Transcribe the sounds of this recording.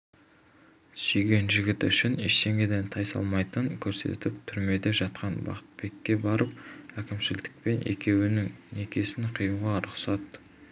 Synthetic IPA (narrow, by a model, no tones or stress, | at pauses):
ʃijɡʲe̞nʒɪɡʲɪt̪ʏʃɪnḛʃt̪e̞ŋɡʲed̪ent̪ʰɑjsɑ̰lˠmɑjt̪əŋkʲʰɵɾse̞̰t̪ɪp̚t̪ʰʏɾme̞d̪e̞ʒɑt̪̚qɑnbɑ̰qə̥t̪̚be̞kʲːe̞bɑɾəp̚ækʲɪmʃɪzd̪ɪ̥k̚pe̞nʔe̞̰kʲe̞wɪnɪŋne̞kʲe̞sɪɴqʰijuʁɑɾʊqsɑt̪